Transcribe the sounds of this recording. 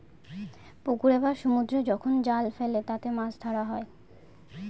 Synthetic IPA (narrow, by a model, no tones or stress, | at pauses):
pukuɾebaɾʃumud̪ɾod͡ʑɔkʰond͡ʑalfelet̪at̪emãsd̪ʱaɾaɦɔe